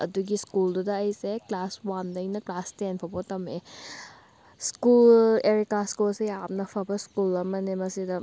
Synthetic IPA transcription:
ɐ̰duɡiskuldudɐːjseklaswandɐjnɐklastenpʰɐbotɐme | skuleɾikaskosejap̚nɐpʰɐbɐskulɐmɐnemɐsidɐ

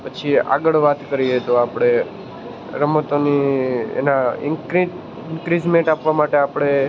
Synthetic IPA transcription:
pət͡ʃʰia̰ɡəɭʋat̪kəɾiɦet̪oapɽ̃e | ɾəmət̪oniḛnaɪ̰ŋɾi | ɪŋkɾizmẽɳʈapʋamaʈeapɽ̃e

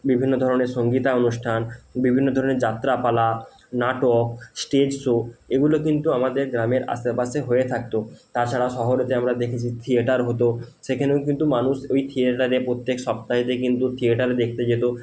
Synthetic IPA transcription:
bibʱinːod̪ʱɔɾoneɾʃoŋɡit̪aonuʃʈʰanbibʱinːod̪ʱɔɾoneɾd͡ʑat̪ːɾapala | naʈoksʈed͡ʑsoeɡulokint̪uamad̪eɾɡɾameɾa̰st̪epaseɦoet̪ʰak̚t̪ot̪aɾt͡ɕʰaɽaʃɔɦoɾot̪eamɾad̪ekʰet͡ɕʰit̪ʰieʈaɾɦot̪o | ʃekʰaneok̬int̪umanuʃojt̪ʰieʈaɾepɾot̪ːekʃɔpt̪aɦit̪ek̬int̪ut̪ʰieʈaɾed̪ek̚ʰt̪ed͡ʑet̪o

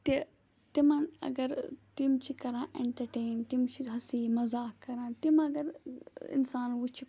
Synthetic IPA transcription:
t̪e | t̪imɐ̃nɐ̰ɡɐɾt̪imt͡ʃʰikɐɾãːʔḛɳʈɐɾʈeːnt̪imt͡ʃʰiɦɐsiːmɐzaːkɐɾãːt̪imɐɡɐɾɪ̰nsaːnʋut͡ʃʰi

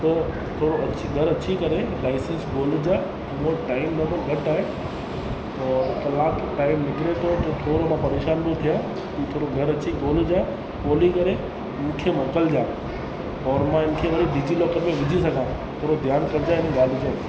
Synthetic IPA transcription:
t̪ɐ | t̪ʰoːɽoɐt͡ɕiɡʱɐɾɐt͡ɕʰikɐɾelaːɪsẽnsɡoːld͡ʑaː | mũʈaːɪmnɐboɡɐʈaːɦe | ɔːɾkɐlaːkʈaːɪmnɪkɪɾet̪ʰot̪ɐt̪ʰoːɾomãpɐɾeːʃaːnbot̪ʰijaː | kit̪ʰoːɾoɡʱɐɾɐt͡ɕiɡoːld͡ʑaː | koːlikɐɾe | ɪnkʰemɔːkəld͡ʑaː | ɔːɾmãɪnɪ̆kʰeʋɐɽiɖʱid͡ʑilɔːkəɾmẽʋɪd͡ʑʱisɐɡʱãː | t̪ʰoːɾod̪ʱjaːnkɐɾd͡ʑaːɪnɡaːd̪ʱɪd͡ʑãː

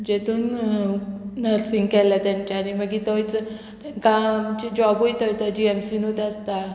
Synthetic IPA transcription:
d͡ʑet̪uːnː | əɾsiŋɡkɛljat̪jãɲt͡ɕaːniməɡit̪ɔjt͡s̪ | kãt͡ɕid͡ʑɔbujt̪əjt̪əd͡ʑiɛmsinut̪ast̪a

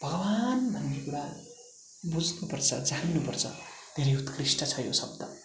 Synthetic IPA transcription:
bʱʌɡʌbanbʱʌnrikuɾa | bud͡znupʌrt͡sʰʌ̰d͡zaninupʌrt͡sʰʌ̰d̪ʱeɾejut̪krisʈʌt͡sʰʌjo̰sʌb̚d̪ʌ

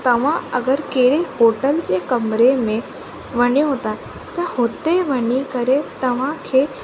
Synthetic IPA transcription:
t̪əʋ̤ãəɡəɾkeɽehoʈəlt͡ɕekəmɾemẽ | ʋəɳjoɦot̪a | t̪əhot̪eʋənikəɾet̪əʋ̤ãkʰe

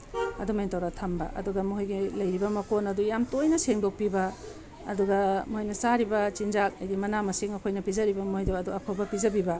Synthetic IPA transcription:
ɐ̰dumentɐwɾatʰɐmbɐ̰ʔɐ̰duɡɐmuɦojɡilɐjɾibɐmɐkonɐdujamtojnɐseŋdok̚pibɐ̰ː | duɡɐmuhojnɐsaɾibɐt͡ʃind͡ʒak̚ɐjdimɐnamɐsiŋɐkʰojnɐpizɐɾibɐmojdoɐduɐpʰɐwbɐpizɐbibɐ

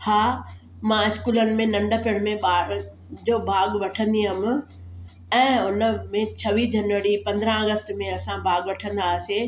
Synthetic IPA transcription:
haː | mãɪskuːlənɪ̆mẽnɐ̃ɳɖəpɪɽ̃mẽɓaː | d͡ʑoːbʱaːɡʋɐʈʰə̃nd̪iɦəm̆ | ɛ̃ːʊnəmẽt͡ɕʰɐʋid͡ʑɐnʋəɾipɐ̃nd̪ɾə̃ɐɡəsʈmẽɐsãbʱaːɡʋɐʈʰə̃nd̪aːse

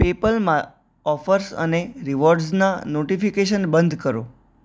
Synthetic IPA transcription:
pepəlmã | ɔfəɾsə̰neɾiʋɔɾɖsnanoʈifikeʃənbənd̪ʱkəɾo̰

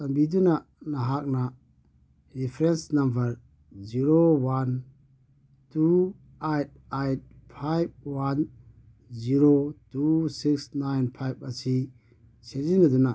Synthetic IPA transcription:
sɐmbiduna | naɦak̚na | ɾipʰɾensnambɐɾ | ziɾowan | tu | ejt̚ajt̚pʰajb̚wan | ziɾotusik̚snajnpʰajb̚asi | set̚zinɐduna

